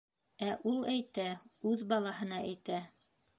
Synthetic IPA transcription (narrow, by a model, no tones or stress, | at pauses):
æʔulˠæjt̪æʉðbɑlˠɑɦɤ̆nɑʔæjt̪æ